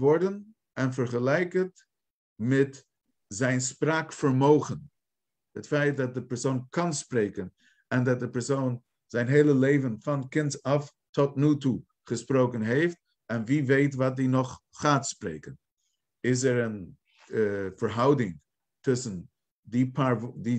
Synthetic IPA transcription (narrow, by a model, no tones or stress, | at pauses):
vɔɹdən | ɛnfəɾχəlˠɛɪkət | mɪt | zɛɪnspɾaːkfəɾmoʊχən | hətfaɪt̚dɔt̚dəpɛɹsoʊnkʰanspɾeɪkən | ɛndɔt̚dəpɛɹsoʊn | zɛɪnɦeɪlˠəleɪvənfankɪntsaf | tʰɔtnuːtu | χəspɾoʊkənɦeɪft̚ | ɛnviːveɪtvaːt̚dinɔχːaːtspɾḛɪkən | ɪs̬ɛɾən | fəɾɦaʊdɪŋ | tʰʊsn̩ | dipʰaɾdi